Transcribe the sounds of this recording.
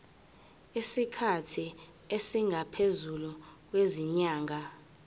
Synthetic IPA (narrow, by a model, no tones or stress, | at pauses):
isikʰatʰi | esiŋɡʱapʰezuluk̬weziɲaːŋʱa